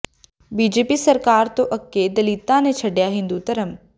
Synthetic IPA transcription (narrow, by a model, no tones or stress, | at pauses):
biːd͡ʒeːpisɐɾkaːɾt̪oʔɐkːed̪ɐliːt̪ːãnẽt͡ʃʰɐɖjaɦĩːnd̪ut̪ɐɾəm